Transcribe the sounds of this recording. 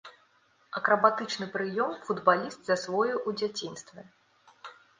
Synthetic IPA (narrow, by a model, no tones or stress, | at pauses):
ɐkɾɐbat̪ɨt͡ʂnɨpɾɨjɔmfud̪balʲist̪zɐsvɔjuʔud͡zʲat͡sʲinst̪vʲɛ